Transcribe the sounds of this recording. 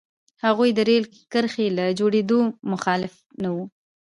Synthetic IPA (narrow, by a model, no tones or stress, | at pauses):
haɣujd̪əɾel | kəɾxelad͡ʒoɽed̪omʊxɑlɪf | nawu